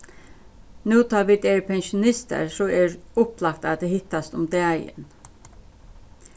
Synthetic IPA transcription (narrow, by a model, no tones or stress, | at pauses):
nuːt̪ʰɑːʋid̪eːɹpʰɛnʃʊnɪst̪ə̰ɹsɔɛːɹʊplɑk̚t̪ɑːd̪ehɪt̪ast̪ʊmd̪æːjə̰n